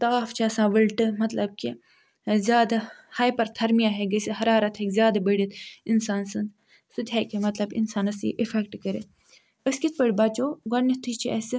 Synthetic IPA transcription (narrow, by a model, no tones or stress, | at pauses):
t̪aːft͡ʃʰasãːʋɐlʈɨmɐt̪lɐb̚kʲi | zʲjaːd̪ɐhaːjpɐɾt̪ʰɐɾmijaɦeɡɐsiɦɐɾaːɾɐt̪ʰhekzʲjaːd̪abəɽit̪insaːnsɨn | sud̪ʲʰɐːjkʲimɐt̪lɐbḭnsaːnɐsḭʔifɛk̚ʈkəɾet̪ | əskit̪̚pəɽʲbɐt͡ʃoːɡɐnːit̪ʰut͡ʃʰiɐsɨ